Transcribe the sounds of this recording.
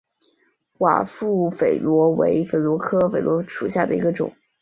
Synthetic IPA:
wa̰˨˩fu˥˩fe˨˩ɪlwɔ˧˥wḛ˧˥ɪfe˨˩ɪlwɔ˧˥kʰɤ˥fe˨˩ɪlwɔ˧˥ʂu˨˩ɕja˥˩d̪ə˩i˧˥ɡə˧ʈ͡ʂʊ̰˨˩˦ŋ

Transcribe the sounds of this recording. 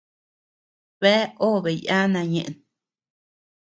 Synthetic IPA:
be˦o˦be˨ja˦na˧ɲḛ˨ʔn

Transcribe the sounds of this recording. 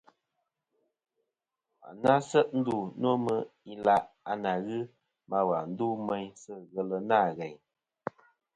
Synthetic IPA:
a̰˨na˦sə˦ʔn̩˦du˦˨n˦o˦mə˦i˦la˦ʔa˨na˨ɣɨ˦ | ma˨wa˨n̩˦duː˦mɛ˦ɲsɨ˦ɣə˨lə˨na˦˨ɣɛ˨ɲ

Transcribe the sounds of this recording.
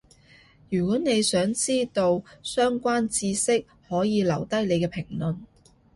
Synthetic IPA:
jyː˨˩kɔː˨˥ne˨˧jsœː˨˥ŋt͡siː˥t̪o˧wsœː˥ŋkʷaː˥nt͡siː˧sɪ˥k̚ | hɔː˨˥jiː˨˧lɐ˨˩wt̪ɐ˥jle˨˧jkɛː˧pʰɪ˨˩ŋlɵ˨n

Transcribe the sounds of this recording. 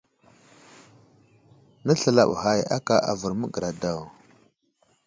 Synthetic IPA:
na˦ɬə˨la̰˨ɓha˦˨ja̰˦ka˨ʔa˨və˨ɾmə˦ɡə˨ɾa˨da˦˨w

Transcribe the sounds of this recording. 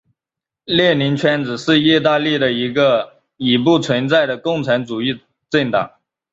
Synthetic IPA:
ljɛ˥˩ni˧˥ŋt͡ɕʰɥɛ˧˥nt͡sɹ̩˨˩ʂɻ̩˥˧i˥˧t̪a˥˧li˥˩d̪ə˩i˧˥ɡə˧ | i˨˩p̬u˥˩t͡sʰwə˧˥nt͡sa˥˩ɪɾə˩kʊ˥˩ŋʈ͡ʂʰa˧˥nt͡su˨˩i˥˩ | ʈ͡ʂə˥˩ŋt̪ɑ̰˨˩˦ŋ

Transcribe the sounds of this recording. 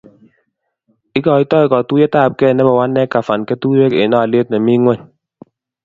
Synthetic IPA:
i˦kɔ˨i˦tɔ˦i˦kɔ˨tu˦jɛ˦taː˦˨p̚kɛ˦˨nɛ˦bɔ˨wa˦nːɛ˦ka˨fa˨nkɛ˦tuː˦je˦kḛ˨nɔ˦a˨le˦t̚nɛ˨mi˦ŋwɛ˦ɲ

